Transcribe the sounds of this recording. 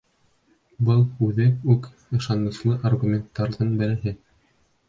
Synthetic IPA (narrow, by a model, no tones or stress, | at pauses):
bɤlˠʉðɘʉk | ɤ̆ʃɑnɤ̆slˠɤʔarɡumʲent̪ːɑɾðɤnbɘ̆ɾæ̆ɦɘ